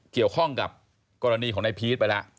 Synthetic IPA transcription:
ki˨˩əwkʰɔ˥˩ŋka˨˩p̚ | kɔː˧ɾa˧niː˧kʰɔː˩˦ŋna˧jpʰiː˦˥t̪̚pa˧jla˦˥ʔ

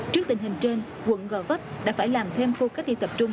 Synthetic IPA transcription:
t͡ɕɨ˦˥k̚t̪ï˧˩ŋ̟hï˨˩ŋ̟t͡ɕe˧n | wə̰˧˨nɣɔː˧˩və˦˥p̚ɗa̰ː˧˥faː˧˩jlaː˨˩mt̪ʰe˧mxo˧kaː˦˥k̚ɗḭ˧˨t̪ə˨˩p̚t͡ɕʊ˧ŋ͡m

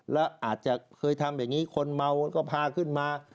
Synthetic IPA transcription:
lɛː˦˥wʔaː˨˩t̪̚t͡ɕa˨˩ʔkʰɤː˧jt̪ʰa˧mjaː˨˩ŋiː˦˥kʰo˧nma˧wkɔː˥˩pʰaː˧kʰɯ˥˩nmaː˧

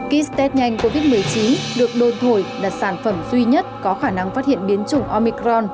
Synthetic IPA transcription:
ki˦˥st̪ɛ˦˥t̚ɲa˧jŋ̟ko˧vi˦˥t̚mɨ˨˩əjt͡ɕi˨˦nɗɨ˨˩ək̚ɗo˨˩nt̪ʰo˧˩jɗa˨˩t̚saː˧˩nfə˧˩mzwi˧ɲə˦˥t̚kɔ˨˦xaː˧˩na˧ŋfaː˦˥t̚hḭ˧˨ənɓi˨˦ənt͡ɕʊ˨˧˩ŋ͡mʔɔ˧mi˧kɾɔ˧n

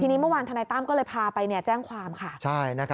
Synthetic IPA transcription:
t̪ʰiː˧ni˦˥mɯ˥˩waː˧nt̪ʰa˧na˧jt̪aː˥˩mkɔː˥˩ɤː˧jpʰaː˧pa˧jni˥˩ɐt͡ɕɛː˥˩ŋkʰwaː˧mkʰa˥˩t͡ɕʰa˥˩jna˦˥kʰ

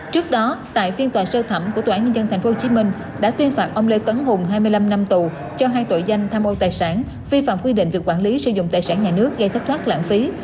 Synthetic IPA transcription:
t͡ɕɨ˦˥ək̚ɗɔ˨˦t̪a̰ː˧˨jfi˧ənt̪waː˨˩səː˧t̪ʰə˧˩mkt̪ʰːaː˧˥˩ɲə˧nzə˧nt̪ʰɛ˨˩j̟fo˦ho˧t͡ɕi˨˦mï˧ŋ̟ | ɗa̰ː˧˥t̪wi˧ənfaː˨˩p̚ʔə˧wŋ͡mle˧t̪wə˨˦nɦʊ˨˩ŋɦaː˧jmɨ˧əjla˧mna˧mt̪u˨˩ | t͡ɕɔ˧ɦaː˧jt̪o̰˧˨jza˧jŋ̟t̪ʰaː˧mʔo˧t̪aː˨˩jsaː˧˩n | vi˧fa̰ː˧˨mkwi˧ɗḭ˧˨ŋ̟vi˨˩kwaː˧˩nli˨˦sɨ̰˧˩zʊ̰˧˨ŋ͡mt̪aː˨˩jsaː˧˩nɲaː˨˩nɨ˦˥ək̚zə˧t̪ʰi˦˥k̚t̪ʰa˦˥t̚la̰ː˧˩nfi˨˦

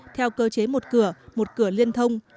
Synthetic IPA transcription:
t̪ʰɛ˧wkəː˧t͡ɕe˨˦mo˨˩t̚kɨ˧˩əmo˨˩t̚kɨ˧˩əli˧ənt̪ʰə˧wŋ͡m

